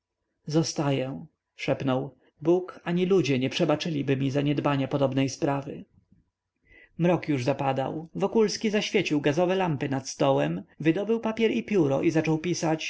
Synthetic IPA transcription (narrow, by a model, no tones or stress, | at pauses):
zɔst̪ajɛ | ʂɛpnɔw | bukaɲilud͡ʑɛɲɛpʂɛbat͡ʂɘlʲibɘmʲizaɲɛd̪baɲapɔd̪ɔbnɛjspɾavɘ̰ | mɾɔkjuʐzapad̪a̰wvɔkulskʲizaɕfʲjet͡ɕiwɡazɔvɛlampɘnat̪st̪ɔwɛmvɘd̪ɔbɘwpapʲjɛɾipʲjuɾɔ̰ʔizat͡ʂɔwpʲisat͡ɕ